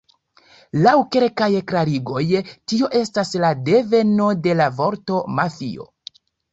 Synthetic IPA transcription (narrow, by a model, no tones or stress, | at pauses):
lawke̞lkajklaɾiɡo̞jtio̞ʔe̞staslade̞ve̞no̞de̞lavo̞ɾto̞mafḭo̞̰